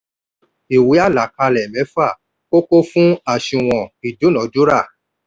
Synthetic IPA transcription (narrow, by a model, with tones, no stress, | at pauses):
i˨wi˨˦a˦˨la˨˦ka˧lɛ˨mɛ̃˨˦fa˦˨ | ko˦ko˦fũ˦a˨ʃĩ˨w̃ɔ̃˨i˨du˨˦nɔ̃˨˦du˦ɾa˦˨